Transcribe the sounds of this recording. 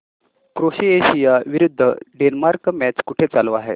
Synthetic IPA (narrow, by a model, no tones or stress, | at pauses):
kɾoɕieɕijaʋiɾud̪ʱːəɖenmaɾkmæt͡ɕkuʈʰet͡saloaɦḛ